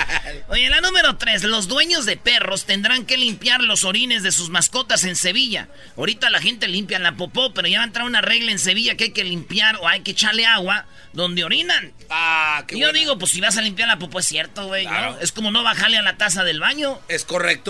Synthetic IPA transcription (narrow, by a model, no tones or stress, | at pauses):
oje̞lanũme̞ɾo̞t̪ɾe̞slo̞zd̪we̞ɲo̞zðe̞pe̞ro̞st̪e̞nd̪ɾaŋke̞limpjaɾlo̞so̞ɾine̞zðe̞suzmasko̞t̪ase̞nse̞βiʝa̰ | oɾit̪alaxe̞nt̪e̞limpjanlapopo̞pe̞ɾo̞ʝaβaent̪ɾaunare̞ɣlaens̬e̞β̞iʝakeajke̞limpjaɾo̞ajke̞ːt͡ʃaɾle̞aɣwa | ðo̞nd̪eo̞ɾinan | ajoðiɣo̞p̬wesːiβas̬alimpjaɾlapopoesːje̞ɾt̪oɣweooe̞sko̞mo̞no̞βaxaɾle̞alat̪as̬aðe̞lβaɲo̞eskorek̚t̪o